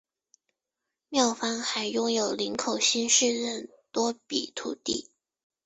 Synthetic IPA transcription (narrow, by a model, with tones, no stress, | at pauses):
mjɑ˥˩ʊfa˥nxa˧˥ɪjʊ˥ŋjo˨˩ʊli˧˥ŋkʰo˨˩ʊɕi˥nʂɻ̩˥˧ɻə˥˩n | t̪wɔ˥pḭ˨˩t̪ʰṵ˨˩t̪ḭ˥˩